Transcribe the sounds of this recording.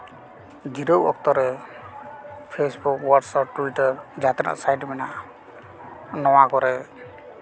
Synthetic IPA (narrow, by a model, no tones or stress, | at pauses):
d͡ʒiɾowɔ̰k̚t̪ɔɾɛ | pʰesbukwɔɖsɔp̚ʈuiʈɔɹd͡ʒat̪ɛna̰ʔsajʈmɛna | nɔwakɔɾɛ